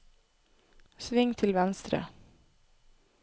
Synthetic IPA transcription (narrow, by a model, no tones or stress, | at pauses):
sʋɪŋt̪ʰɪlʋɛnst̪ɾə̰